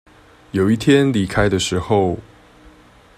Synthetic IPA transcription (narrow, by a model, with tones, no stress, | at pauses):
jo˨˩ʊi˥˩t̪ʰjɛ˦nli˨˩kʰa˥ɪd̪ə˨ʂɻ̩˧˥xo˥˨ʊ